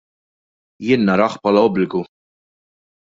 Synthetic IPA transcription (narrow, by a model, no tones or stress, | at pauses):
jɪːnːɐɾɐħpʰɐːlɐɔblɪɡu